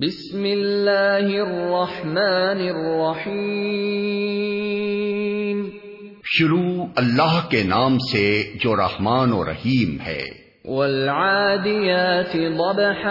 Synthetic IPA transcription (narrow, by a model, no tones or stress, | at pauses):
bɪsmɪlːaːhɪrːɑħmaːnɪrːɑħiː | m | ʃʊɾuːɐlːaːɦkenaːmsed͡ʒoːɾɐ̰hmaːnoːɾɐ̰hiːmhɛ̰ː | walʕaːd̪ɪjaːt̪ɪd̪ˤɑbħ